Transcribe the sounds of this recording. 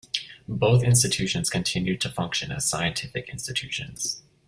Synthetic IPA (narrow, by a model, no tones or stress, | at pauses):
boʊθɪ̃nstɨtʰʉʃɨ̃nz̥kʰɨ̃ntʰɪ̃njʉd̚tʰɨfʌ̃ŋkʃɨ̃nɨ̰z̥sa̰ɪɨ̃ntʰɪfɨkɪ̰̃nstɨtʰʉʃɨ̰̃nz̥